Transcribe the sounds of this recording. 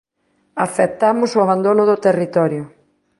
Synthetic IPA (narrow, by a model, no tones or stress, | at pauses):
aθep̚t̪amʊsoʊaβ̞and̪onʊðʊt̪erit̪ɔɾjʊ